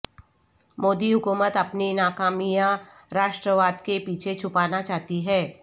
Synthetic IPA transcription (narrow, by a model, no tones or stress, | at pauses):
moːd̪iɦʊkuːmət̪ɐpninaːkaːmijã | ɾaːʃʈɾəʋaːd̪kepiːt͡ʃʰet͡ʃʰʊpaːnat͡ʃaːɦt̪iɦɛː